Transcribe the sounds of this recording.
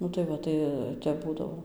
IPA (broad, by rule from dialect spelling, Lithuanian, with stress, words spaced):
ˈnʊ tɐɪ ˈʋɐ ˈtɐɪ ˈtʲɛp ˈbuːdɐʋoː